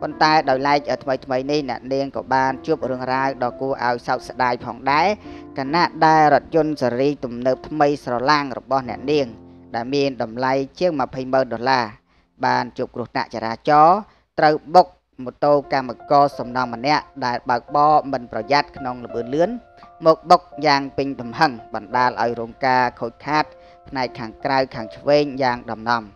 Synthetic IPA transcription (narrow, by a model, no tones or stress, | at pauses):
pont̪aɛɗaɔjlaɛk̚ʔət̪ʰməjt̪ʰməjnihnɛ̆əʔniəŋkɑ̰ːɓaːnt͡ɕuəp̚rɨəŋraəwɗɑːkuəʔa̰ɔjsawk̪̚saɗaːjpʰɑːŋɗaɛkʰanaʔɗaɛlɾŏət̪̚jʊ̆ənsaɾiːt̪umnəːp̚t̪ʰməjsrɑlaŋrɔ̰ɓɑhnɛ̆əʔniəŋɗaɛlmiənɗɑmlajt͡ɕiəŋməpʰəjməːnɗolaː | ɓaːnt͡ɕuəp̚krŭəht̪a̰ʔt͡ɕaːɾaːt͡ɕɑː | t̪rəwɓok̚ | mot̪oːkamːakɑːsɑmnɑŋːənɛ̆əʔɗaɛlɓaək̚ɓɑːmɨnprɑjat̪̚kʰnoŋlə̆ɓɨənlɨən | mɔːk̚ɓok̚jaːŋpɨɲɗɑmhəŋɓɑnɗaːlʔa̰ɔjɾuːŋkaːkʰoːc̚kʰaːt̪̚ | pʰnaɛkʰːaːŋkrawkʰaːŋt͡ɕʰʋeːɲjaːŋɗɑmnɑm